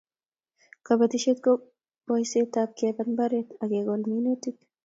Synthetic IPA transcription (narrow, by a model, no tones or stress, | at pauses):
kɐbɐt̪ɪʃɛt̪kɔ | b̥ɔjseːt̪ːaːb̚keːbɐnbɐɾet̪ɐɡeːɡɔlmiːnet̪ːɪt̪